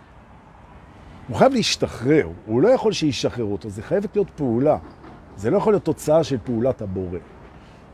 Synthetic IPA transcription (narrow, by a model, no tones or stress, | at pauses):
huχajavleiʃtaχʁe̞ʁhulo̞jaχo̞lʃeiʃaχeʁot̪ozeχajevet̪lijo̞t̪peula | zelo̞jaχolijo̞t̪ːot͡saaʃe̞lpeulathabo̞ʁe̞